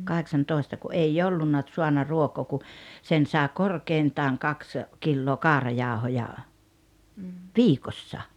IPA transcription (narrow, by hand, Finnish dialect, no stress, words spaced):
kɑheksɑntoˑestɑ ku ʔei olːunːɑ t̆suɑnːɑ ruokoː ku sen sɑːĕ korkeintɑːŋ kɑks kilːoː kɑːrɑjɑːŏhojɑ ʋiːkosːɑ